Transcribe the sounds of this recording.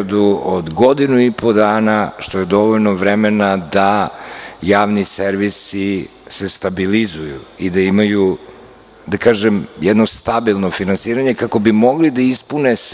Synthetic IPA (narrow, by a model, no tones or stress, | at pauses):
d̪uod̪ɡo̞d̪inuipʰo̞d̪aːnaʃt̪o̞je̞d̪o̞ʋoʎnoʋɾɛmenad̪a | jaːʋniseɾʋisise̞st̪abilizujṵid̪aimaju | d̪akaːʒemjɛd̪no̞st̪abilˠno̞finansiːɾaɲe̞kako̞bimo̞ɡlid̪aispunes